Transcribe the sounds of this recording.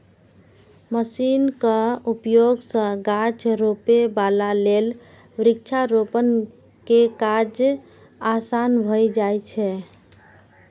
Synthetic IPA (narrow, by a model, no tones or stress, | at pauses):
məsinkəupjoɡsə̃ɡat͡ʃɾopebalalel | bɾik̚t͡ʃʰaɾopən | kekad͡ʒ | asanbʱəjd͡ʒajt͡ʃʰɛ